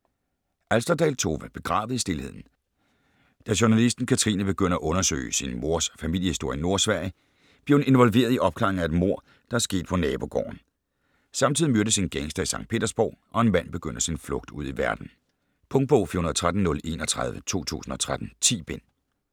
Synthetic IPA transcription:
ʔælsd̥ɐd̥ɛlt͡sʰo̝ʋəb̥e̝ɡ̥ʁɑ̈ːʋð̩ˠisd̥e̝lhe̝ð̞̰ˠn̩ | d̥æɕunælisd̥n̩kʰæt͡sʰʁḭːnəb̥e̝ɡ̥øn̰ɐæʔɔ̽nɐsø̰ːɪsinmo̝ɐ̰sfæmil̰jəhisd̥o̝ɐ̰jəno̝ɐ̰sʋæɐ̰jə | b̥le̝hne̝nʋɒ̽lʋe̝̰ːɐðˠiʔɒ̽b̥kʰlɑ̈eŋ̩æe̝d̥mo̝ɐ̰ | d̥ɑ̈æɐsɡ̥e̝̰ːd̥̚pʰɒ̽nɛːb̥o̝ɡ̥ɒ̰ːn | sɑ̈mt͡sʰið̰ˠimøɐd̥əsinɡ̥eŋsd̥ɐisɑ̈ŋ̰̥̚pʰe̝̰ːd̥ɐsb̥ɒ̰ʊʔɒ̽e̝nmæn̰b̥e̝ɡ̥øn̰d̥əsinflɔ̽ɡ̥̚d̥uð̞̰ˠiʋæɐd̥n̩ | pʰɔ̽ŋd̚b̥ɔʊ̰fiːhunɐðˠt͡sʰʁad̥n̩nːɔ̽le̝̰nɒt͡sʰʁaðˠʋət͡sʰo̝̰ːt͡sʰṵːsn̩ɒ̽t͡sʰʁad̥n̩t͡sʰḭːb̥en̰

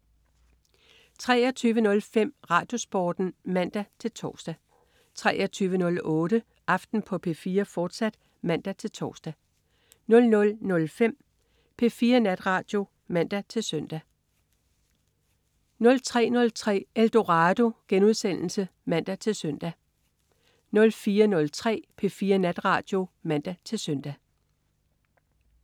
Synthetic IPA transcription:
t͡sʰʁɛːɐt͡sʰyːʋənɔ̽lfem̰ʁɑ̈ːd̥jo̝sb̥ɒːd̥n̩mæn̰d̥æt͡sʰe̝lt͡sʰɒ̰ːsd̥æ | t͡sʰʁɛːʔɐt͡sʰyːʋənɔ̽lɔ̽ːɾ̥ə | ʔɑ̈fd̥n̩pʰɒ̽pʰe̝̰ːfiːɐfɒːd̥sæd̥ | mæn̰d̥æt͡sʰe̝lt͡sʰɒ̰ːsd̥æ | nɔ̽lnɔ̽lnɔ̽lfem̰ | pʰe̝fiːɐnæd̥ʁɑ̈ːd̥jo̝ | mæn̰d̥æt͡sʰe̝lsœn̰d̥æ | nɔ̽lt͡sʰʁɛ̰ːnɔ̽lt͡sʰʁɛ̰ːeld̥o̝ʁɑːd̥o̝ɡ̥enuð̞ˠsen̰l̩səmæn̰d̥æt͡sʰe̝lsœn̰d̥æ | nɔ̽lfiːɐnɔ̽lt͡sʰʁɛ̰ːpʰe̝fiːɐnæd̥ʁɑ̈ːd̥jo̝mæn̰d̥æt͡sʰe̝lsøn̰d̥æ

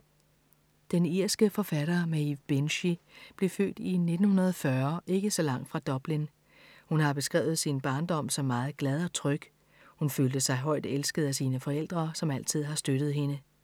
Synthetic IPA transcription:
d̥eniɐ̰sɡ̥əfɒ̽fæɾ̥ɐmæib̥enɕib̥le̝fø̰ːd̥ine̝d̥n̩hunɐðˠɒfɶɐʔe̝ɡ̥əsɒ̽lɑ̈ŋ̰d̥fʁɑ̈d̥ɒ̽b̥lin | hunhɑ̈b̥e̝sɡ̥ʁɛ̰ːʊð̞̩ˠsinb̥ɑ̈ːnd̥ɒ̽m̰sɒ̽mːɑ̈ːð̩ˠɡ̥læð̞ˠɒ̽t͡sʰʁœɡ̥ | hunføːld̥əsɑ̈ɪɦɒ̽ɪ̰d̥elsɡ̥əð̩ˠæsiːnəfɒ̽el̰d̥ʁɐsɒ̽mæl̰t͡sʰið̞̰ˠhɑ̈sd̥øɾ̥ð̞̩ˠhe̝nə

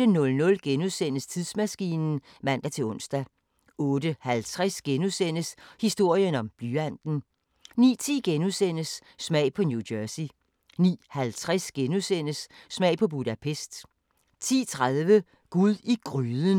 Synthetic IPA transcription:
ənɔ̽lnɔ̽lɡ̥enuðˠsen̰əst͡sʰiðˠsmæsɡ̥ḭːnn̩ | mæn̰d̥æt͡sʰe̝lɔ̽n̰sd̥æ | ɔ̽ːd̥əhælt͡sʰʁasɡ̥enuðˠsen̰əshisd̥o̝ɐ̰jənɒ̽mb̥lyæn̰d̥n̩ | nḭːt͡sʰḭːɡ̥enuðˠsen̰əsːmɛ̰ɪ̰pʰɒ̽njudɜɐsi | nḭːhælt͡sʰʁɛsɡ̥enuðˠsen̰əsːmɛɪ̰pʰɒ̽b̥ud̥æpʰesd̥ | t͡sʰḭːt͡sʰʁaðˠʋə | ɡ̥uðˠiɡ̥ʁyːðˠən

